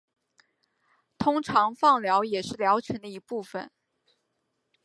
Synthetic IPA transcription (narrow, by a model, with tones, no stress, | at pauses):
t̪ʰʊ˥ŋʈ͡ʂʰɑ˧˥ŋfɑ˥˩ŋljɑ˧˥ʊjɛ˨˩ʂɻ̩˥˩ljɑ˧˥ʊt͡ɕʰɥə˧˥nd̪ə˧i˧˥pu˥˩fə˩n